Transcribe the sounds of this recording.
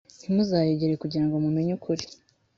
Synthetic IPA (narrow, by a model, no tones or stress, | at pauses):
n̥imuzaːjoɟeɾekuɟiɾaŋɡomume̞ɲukʰuɾi